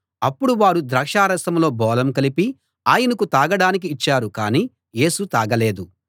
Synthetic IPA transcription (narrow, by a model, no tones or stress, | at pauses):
ɐpːuɽuʋaːɾud̪ɾɐkʂaːɾɐsɐmlo̞ːbɔːlɐmkɐlipi | aːjɐnɐkut̪aːɡɐɽaːnik̬iːt͡ʃːaːɾukaːniː | je̞ːsut̪aːɡɐle̞ːd̪u